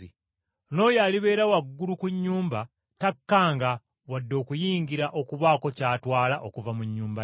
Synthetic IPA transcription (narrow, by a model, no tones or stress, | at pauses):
i | no̞ːjaliβe̞ːɾawaɡːulukuɲːuːmba | takːaːŋɡa | wadːo̞ːkujiːŋɡiɾaʔo̞kuβaːko̞caːtwaːlaʔo̞kuvamuɲːuːmba